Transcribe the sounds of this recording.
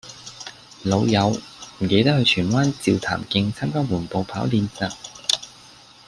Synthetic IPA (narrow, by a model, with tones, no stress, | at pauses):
lo˨˧wjɐ˨˧wm̩˨˩ke˨˧˥jt̪ɐ˥k̚hɵ˧ɥt͡ʃʰyː˨˩nwaː˥nt͡siː˨wt̪ʰa̰ː˨˩mkɪ˧ŋt͡sʰaː˥mkaː˥wuː˨˩npo˨˧wpʰaː˨˥wliː˨˧nt͡sɐ˨˩k̚